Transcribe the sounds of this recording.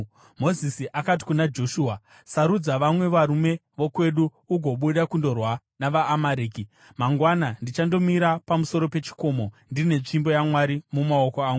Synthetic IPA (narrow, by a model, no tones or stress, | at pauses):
mo̞zisiʔakat̬i̥kunad͡ʒo̞ʃuːa | saɾud͡zaʋamwe̞ʋaɾume̞ʋokwe̞ɗuː | ɡʱo̞ɓuɗakundo̞rwa | naʋaːmaɾiːki | maŋɡwanandit͡ʃando̞miɾapamuso̞ɾo̞pe̞t͡ʃi̥ko̞ːmo̞ndine̞t͡ʂimbo̞jamwaɾimumaokoaːŋɡu